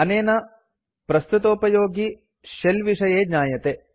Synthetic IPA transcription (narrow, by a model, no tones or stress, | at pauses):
ɐneːnɐ | pɾɐst̪ut̪oːpɐjoːɡi | ʃelʋiʂɐjeːdɲaːjɐt̪e